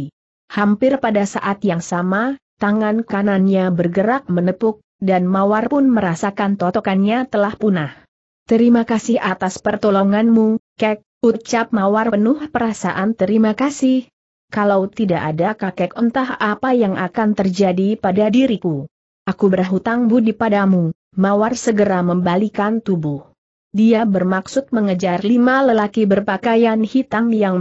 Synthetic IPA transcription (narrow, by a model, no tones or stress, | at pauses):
hampɪrpadasaʔat̪jaŋsamat̪aŋankananɲabərɡəɾak̚mənəpʊk̚ | danmawarpʊnməɾasakant̪ɔt̪ɔkanɲat̪əlahpunah | t̪əɾimakasɪhʔat̪aspərt̪ɔlɔŋanmukɛk̚ut͡ʃap̚mawarənʊhpəɾasa̰ʔant̪əɾimakasɪh | kalawt̪idaʔadakakɛkɔnt̪aɦapajaŋʔakant̪ərd͡ʒadipadadiɾiku | ʔakubərɦut̪aŋbudipadamu | mawarsəɡəɾaməmbalikant̪ubʊh | diabərmaksʊt̪̚məŋəd͡ʒarlimaləlakibərpakajanhit̪amjaŋ